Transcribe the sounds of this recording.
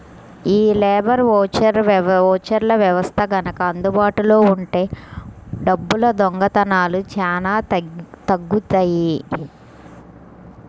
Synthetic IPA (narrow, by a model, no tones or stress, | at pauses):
iːlɛːbɐɾʋɔːt͡ʃɐɾɔːt͡ʃɐɾlɐʋjɐʋɐst̪ʰɐɡɐnɐkɐːnd̪ubaːʈulo̞ːuɳʈe̞ː | ɖɐbːulɐd̪ɔŋɡɐt̪ɐnaːlut͡ʃaːnaːt̪ɐɡːut̪ɐːji